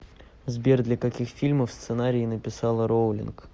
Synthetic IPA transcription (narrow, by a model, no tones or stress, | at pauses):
zbʲerd̪lʲəkɐkʲixfʲilʲməfst̪sɨnaɾʲɪːnəpʲɪsɑlˠəɾowlʲɪ̰nk